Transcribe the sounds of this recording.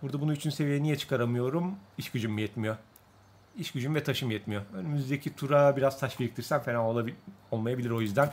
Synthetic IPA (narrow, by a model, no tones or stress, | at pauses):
buɾd̪abununyt͡ʃʰynse̞vijɛnijɛt͡ʃʰɯ̥kʰaɾamɯjo̞ɾumiʃcyd͡ʒymːjɛt̪mijo̞ | iʃcyd͡ʒymvɛt̪ʰaʃɯmjɛt̪mijo̞ønymyzd̪ecʰit̪ʰuɾabiɾaz̥t̪ʰaʃbilic̚t̪ʰiɾsænfelʲaoo̞lˠmajabiiɾo̞jyzd̪æn